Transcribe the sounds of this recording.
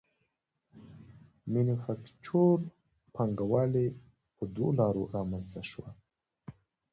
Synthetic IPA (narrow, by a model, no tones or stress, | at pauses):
minifakt͡ʃʰoɾ | pʰaŋɡawale | pəd̪wolɑɾoɾɑmanst̪aʃwa